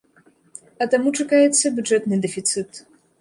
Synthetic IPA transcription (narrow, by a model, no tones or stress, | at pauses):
ɐt̪amut͡ʂɐkajɛt̪sːɐbʲuʐɛt̪nɨd̪ɛfʲit̪sɨt̪